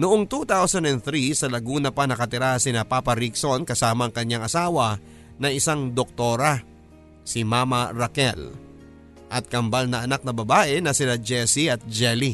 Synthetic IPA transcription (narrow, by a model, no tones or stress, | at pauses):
nʊʔo̞ŋt̪ut̪awsɐnd̪ɛnt̪ɾisɐlɐɡuːnɐpanɐkɐt̪ɪɾasɪnapaːpɐɾikso̞nkɐsaːmɐŋkɐɲːaŋʔɐsaːwɐ | nɐŋɪsaŋd̪ok̚t̪oːɾɐ | simamɐɾɐkɛl | ʔɐt̪̚kɐmbalnɐʔɐnak̚nɐbɐbaːʔɛnɐsɪnad͡ʒɛsiɐt̪̚d͡ʒɛli